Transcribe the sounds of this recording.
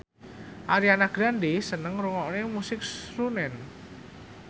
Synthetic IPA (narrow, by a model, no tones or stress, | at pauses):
ʔaɾianaɡ̥ɾandesənəŋɾuŋɔʔnemusɪk̚sɾunɛn